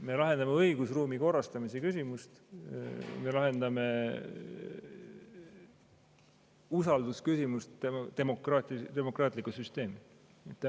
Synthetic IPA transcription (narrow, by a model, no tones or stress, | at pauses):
me̞lɑɦe̞nd̪ɑmeɤjɡ̥usruːmiko̞rːɑst̪ɑmisekysʲimust̪ | me̞lɑɦe̞nd̪ɑme̞ | usɑld̪uskysimust̪et̪e̞mokrɑːt̪ʲit̪e̞mokrɑːt̪likːusyst̪e̞ːmi | et̪ː